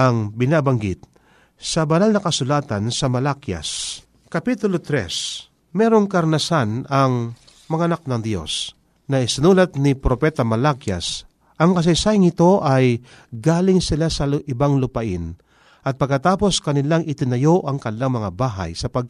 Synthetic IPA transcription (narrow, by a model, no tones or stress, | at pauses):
aŋbɪnaːbaŋɡɪt̪̚ | sɐbɐnalnɐkɐsʊlaːt̪ansɐmɐlakja̰s | kɐpit̪ʊlot̪ɾɛ̰s | mɛːɾoŋkɐɾnɐsanɐŋ | mɐŋaʔɐnak̚nɐŋd̪jo̞̰s | nɐɪsɪnuːlɐt̪̚nɪpɾopɛt̪ɐmɐlakja̰s | ʔɐŋkɐs̬ɐjsaːjɪŋɪt̪o̞ʔaj | ɡaːlɪŋsɪlasɐʔɪbaŋlʊpaʔɪn | ʔɐt̪̚pɐɡ̚kːɐt̪aːpo̞skɐnɪlaŋʔɪt̪ɪnɐjoʔɐŋkɐnɪlaŋmɐŋabaːɦa̰jsɐpɐɡ̚